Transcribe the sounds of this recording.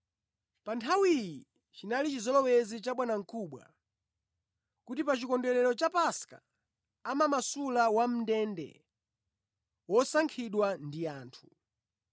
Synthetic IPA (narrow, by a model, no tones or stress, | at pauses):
pantʰawiji | t͡ʃinalit͡ʃizɔlɔwɛzit͡ʃaɓwanaŋ̩kʰuɓwa̰ | kutipat͡ʃikɔndɛɾɛɾɔt͡ʃapaska | amamasulawam̩ndɛndɛ̰ | wɔsaŋkʰiɗwandiaːntʰu̥